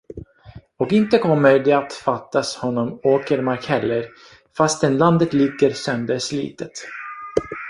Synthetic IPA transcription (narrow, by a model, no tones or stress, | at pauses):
ɔkɪnt̪əkʰɔmːəɾd̪ɛat̪fat̪ːashɔnːɔmoːkəɾmaɾkhɛlːəɾ | fast̪ɛnland̪ət̪lɪɡːəɾsœnd̪əɾʂlḭːt̪ʰət̪